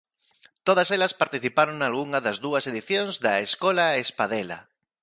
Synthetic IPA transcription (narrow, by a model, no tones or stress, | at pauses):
t̪oð̞aselaspaɾt̪iθipaɾoŋnalɣuŋaðazðuaseðiθjõnzðaeskolaespaðela̰